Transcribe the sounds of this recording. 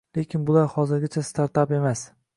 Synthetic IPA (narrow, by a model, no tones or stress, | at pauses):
lekʲʰɪnbʊlaɾhɒzɪɾɡʲɪt͡ʃʰast̪ʰaɾt̪ape̞mas